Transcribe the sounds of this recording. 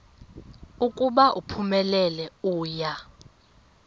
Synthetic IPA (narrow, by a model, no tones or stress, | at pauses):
ukʼuɓaʔupʰumɛlɛlɛuːja